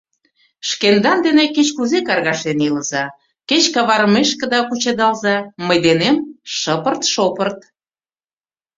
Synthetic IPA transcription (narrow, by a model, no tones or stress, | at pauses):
ʃkend̪ɑnd̪eneket͡ɕkuzekɑrɣɑʃenilə̆zɑ | ket͡ɕkɑβɑɾəmeʃkə̆d̪ɑkut͡ɕed̪ɑlzɑməjd̪enemʃəpərt̪ʃopərt̪̚